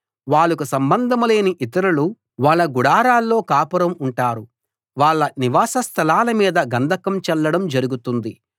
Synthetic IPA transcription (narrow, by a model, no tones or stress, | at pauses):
ʋaːɭːukusɐmbɐnd̪ʱɐmule̞ːniʔit̪̬ɐɾulu | ʋaːɭːɐɡuɽaːɾaːlːo̞ːkaːpɐɾɐmuɳʈaːɾu | ʋaːɭːɐniʋaːsɐst̪ʰɐlaːlɐmiːd̪ɐɡɐnd̪ʱɐkɐmt͡ʃɛlːɐɽɐmd͡ʒɐɾuɡut̪und̪i